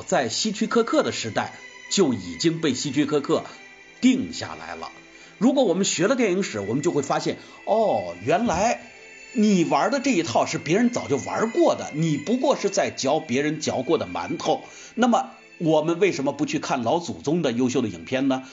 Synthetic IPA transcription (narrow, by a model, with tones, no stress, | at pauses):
t͡sa˥˩ɪɕi˥t͡ɕʰy˥kʰɤ˥kʰɤ˥˩d̪ə˩ʂɻ̩˧˥t̪a˥˩ɪt͡ɕjo˥˩ʊi˨˩t͡ɕi˥ŋpe˥˩ɪɕi˥t͡ɕʰi˥kʰɤ˥kʰɤ˥˩ | t̪i˥˧ŋɕja̰˥˩la̰˧˥ɪlə̰˧ | ɻu˧˥kwɔ˧˥wɔ˨˩mə˦nɕɥɛ˧˥lə˧t̪ɛ˥˧˩n˧i˥˩ʂɻ̩˧˥wɔ˨˩mə˦nt͡ɕjo˥˧ʊxwe˥˩ɪfa˥ɕjɛ˥˩n | ɔ˥˩ɥɛ˧˥nla˧˥ɪ | ni˨˩wɐ˞˧˥d̪ə˧ʈ͡ʂɤ˥˩i˧˥t̪ʰɑ˥˧ʊʂɻ̩˥˩pjɛ˧˥ɻə˧˥nt͡sɑ˨˩ʊt͡ɕjo˥˩ʊwɐ̰˧˥kwɔ˥˩d̪ə̰˩ni˨˩pu˧˥kwɔ˥˧ʂɻ̩˥˧t͡sa˥˩ɪt͡ɕjɑ˧˥ʊpjɛ˧˥ɻə˧˥nt͡ɕjɑ˧˥ʊkwɔ˥˩d̪ə˩ma̰˧˥nt̪ʰo˥˩ʊ | na˥˩mə˩ | wɔ˨˩mə˦nwe˥˩ɪʂə˧˥nmə˧pu˧˥t͡ɕʰy˥˧kʰa˥˩nlɑ˧˥ʊt͡su˨˩t͡sʊ˥ŋd̪ə˨jo˥ʊɕjo˥˩ʊd̪ə˨ḭ˨˩ŋpʰjɛ˥˧nnə˩